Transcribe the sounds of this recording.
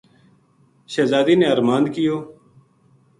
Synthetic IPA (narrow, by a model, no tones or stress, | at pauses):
ʃeːzaːd̪iːneːəɾmaːnd̪kɪjoː